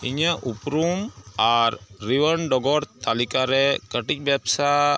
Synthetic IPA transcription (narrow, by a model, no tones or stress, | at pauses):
ḭɲaʔupɾumaɾːiwəɾɳɖɔɡɔɾt̪alikaɾɛkəʈic̚bjapsa